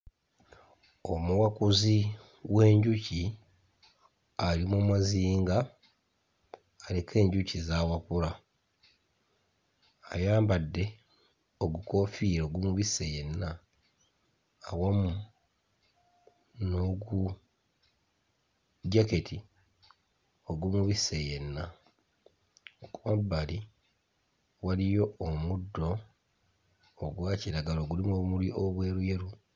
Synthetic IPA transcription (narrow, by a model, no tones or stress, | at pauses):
o̞muwakuzi | we̞ːɲɟuci | alimomaziːŋɡa | le̞kʰe̞ːɲɟucizaːwapula | a̰jaːmbadːe̞ | o̞ɡuko̞fiːɾoɡumuβise̞je̞nːa | wamu | no̞ɡu | ɟake̞tʰi | oɡumuβise̞je̞nːa | okuβabːali | walijo̞omudːo̞ | ɡwaːciɾaɡalo̞ːɡulimomuliʔoβwe̞ːɾujeɾu